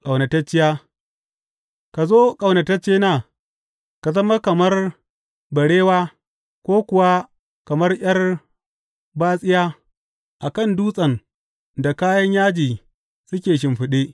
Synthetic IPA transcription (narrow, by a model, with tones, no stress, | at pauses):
kʼa˨wnɐ˨tɐ˦t͡ʃːɪ˦jaː˦ | ka˨zoː˦kʼɐ˨wnɐ˨tɐ˦t͡ʃːeː˦naː˦˨ | ka˨zɐ˦ma˦kɐ˨mɐ˦r | bɐ˨ɽeː˦waː˦ | kʷoː˦kʷʊ˨wa˦ | kɐ˨mɐ˦rj̰ʲɐ˦r | baː˦sʼɪ˦jaː˦ | ʔa˨kɐ˦˨nduː˦sʼɐ˨n | da˨kaː˦jɐ˦ɲjaː˦d͡ʒiː˨ | sʊ˦kʲeː˨ʃ̬ɪ˨mɸɪ˨ɗeː˦ʔ